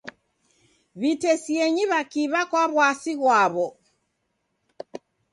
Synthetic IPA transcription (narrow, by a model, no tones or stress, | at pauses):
βitɛsiɛɲiβakiβakwaβwasiɣwaβɔ